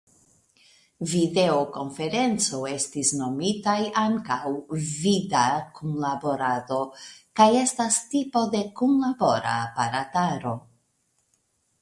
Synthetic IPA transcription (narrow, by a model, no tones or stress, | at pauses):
vide̞oko̞nfe̞ɾe̞nt͡so̞e̞stisno̞mitajaŋkawvidakunlabo̞ɾado̞kaje̞stastipo̞de̞kunlabo̞ɾa̰paɾataɾo̞